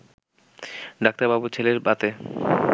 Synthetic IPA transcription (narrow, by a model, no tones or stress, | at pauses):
ɖak̚t̪ababut͡ɕʰeleɾbat̪e